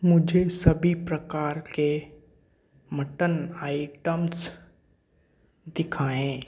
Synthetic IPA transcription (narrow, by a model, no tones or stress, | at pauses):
mʊd͡ʒʱesɐbʱipɾəkaːɾke | məʈənaːɪʈəms | d̪ɪkʰaːẽː